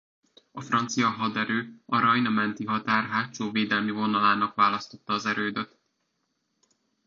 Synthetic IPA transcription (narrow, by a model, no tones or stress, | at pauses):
ɒfrɒnt̪sijɒɦɒd̪ɛɾøːɒɾɒjnɒmɛnt̪iɦɒt̪aːrɦaːtt͡ʃoːveːd̪ɛlmivo̞nɒlaːnɒkvaːlɒst̪o̞t̪ːɒːzɛɾøːd̪øt̪